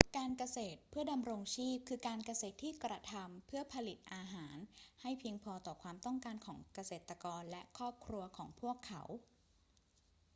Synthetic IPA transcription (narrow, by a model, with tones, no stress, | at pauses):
kaː˧nka˧seː˨˩t̪̚pʰɯ˥˩ɐda˧mɾo˧ŋt͡ɕʰiː˥˩p̚kʰɯː˧kaː˧nka˧seː˨˩t̪ʰːiː˥˩kɾa˧t̪ʰa˧mpʰɯ˥˩ɐpʰa˧li˨˩t̪̚ʔaː˧ɦaː˩˦nha˥˩jpʰi˧əŋpʰɔː˧t̪ɔː˨˩kʰwaː˧mt̪ɔ˥˩ŋkaː˧nkʰɔː˩˦ŋka˧seː˨˩t̪ɾa˧kɔː˧nlɛ˦˥kʰɾɔː˥˩p̚kʰɾu˧ɐkʰɔː˩˦ŋpʰu˥˩əkʰːa̰˩˥w